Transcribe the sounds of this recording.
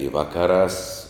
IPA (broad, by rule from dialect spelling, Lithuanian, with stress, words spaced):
ɪ ˈʋɑːkɐˌrɑːs